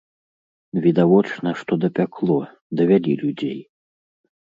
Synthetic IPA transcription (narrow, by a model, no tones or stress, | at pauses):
vʲid̪avɔt͡ʂnɐʂt̪ɔd̪ɐpʲakʰlˠɔ | d̪ɐvʲalʲḭlʲud͡zʲḛj